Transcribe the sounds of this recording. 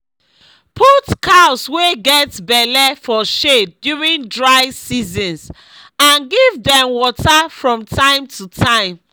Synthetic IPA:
pʰutkʰaʊsweɡɛtbɛlɛfɔʃedːjuɹĩndɹaɪsizɔ̃ns | ãnɡivdɛ̃mwɔtafɹɔ̃mtʰãɪ̃mtʰutʰãɪ̃m

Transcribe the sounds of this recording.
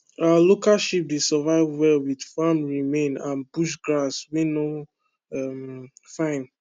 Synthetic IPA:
aalokaʃip̚desɛvaɪvwɛlwidfamɹimẽnãnb̥uʃɡɹasmeno | ɛmfãɪ̃n

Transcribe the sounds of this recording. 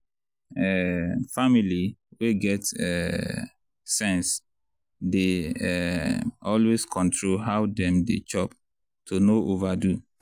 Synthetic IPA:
ɛfamiliweɡɛtɛ̰ | sɛ̃ns | deɛ | ɔlweskʰɔ̃ntʰɹolɦawdɛ̃mdḛt͡ʃɔp̚ | tʰonoʔovadu

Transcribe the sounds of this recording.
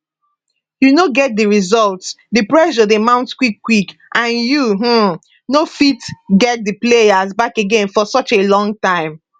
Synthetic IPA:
junoɡɛt̚dəɹizɔlts | dɨpɹɛʃɔðemãʊ̃ntkwikːwikʔãnjuɦm̩ | nofitɡɛt̚dəplejazbakeɡẽnfɔsɔt͡ʃelɔ̃ŋtãɪ̃m

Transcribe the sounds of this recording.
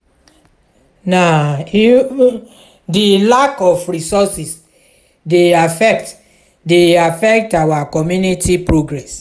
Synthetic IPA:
na | dilakɔfɹisɔsis | deafɛkt | deafɛk̚tawakɔmjunitipɹoɡɹɛs

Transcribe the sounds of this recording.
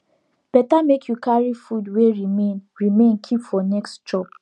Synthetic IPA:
b̥ɛtamekʰjukaɹifudweɹimẽnɹimẽnkʰipfɔnɛkstd͡ʒɔp

